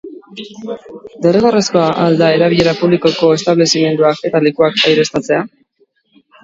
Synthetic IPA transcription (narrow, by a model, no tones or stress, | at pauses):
d̪e̞reɣareskoaʔald̪ae̞ɾaβ̞iʎe̞ɾapuβliko̞ko̞e̞st̪aβle̞sime̞nd̪uake̞t̪alikuakajɾe̞st̪at͡se̞a